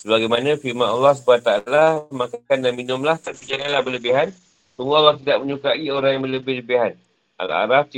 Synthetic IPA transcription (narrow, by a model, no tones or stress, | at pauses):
səbaɡajmanãfiɾmanalːɔhs̬əbuat̪aalamãkakandanminʊmlaht̪apid͡ʒananlahbələbiɦan | səŋualːɑht̪idaʔ̚mə̃ɲukaʔioɾaŋjaŋmələbɪhləbɪɦan | ʔa̰la̰ɾaft̪i